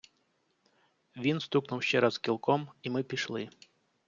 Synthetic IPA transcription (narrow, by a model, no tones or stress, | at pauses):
ʋʲinst̪uknuwʃt͡ɕɛɾaskʲilˠkɔmimɨpʲiʂlˠɪ